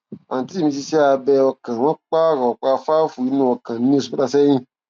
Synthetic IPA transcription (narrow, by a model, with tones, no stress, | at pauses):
a˨ñ˨ti˦˨mĩ˧s̬i˧si˦a˧bɛ˧ɔ˧kã˨wɔ̃˦k͡pa˦˨ɾɔ˨k͡pa˧fa˦fu˨i˨˧˦nũ˧˦ɔ˨kã˨nĩ˨˦o˦s̬u˨˦ta˧˨sɛ˦j̃ĩ˦˨